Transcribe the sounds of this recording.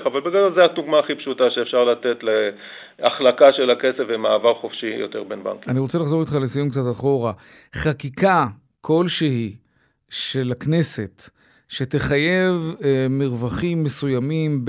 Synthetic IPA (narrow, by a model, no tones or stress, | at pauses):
avalbeɡadolzeaduɡmaːχipʃut̪aʃeːfʃaʁlat̪et̪le | aχlakaʃelake̞sefemaːvaʁχofʃijo̰t̪eʁbenba̰ŋkaniʁo̞t͡selaχzo̞ʁit̪χalesijumkt͡sat̪aχo̞ʁa | χakikʰa | kʰo̞lʃeɦi | ʃelakne̞se̞t̪ | ʃe̞t̪eχaje̞vmiʁvaχimːe̞sujamimb